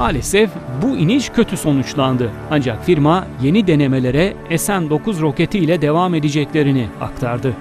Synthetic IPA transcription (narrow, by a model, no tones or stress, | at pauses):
maːlʲesɛfbuiniʃcʰø̞t̪ʰyso̞nut͡ʃlˠand̪ɯ | and͡ʒakfiɾmaje̞nid̪e̞ne̞me̞lʲe̞ɾɛesænd̪o̞kuzɾo̞ce̞t̪ʰijlʲɛd̪e̞vaːme̞d̪id͡ʒɛclʲe̞ɾinia̰kt̪ʰaɾd̪ɯ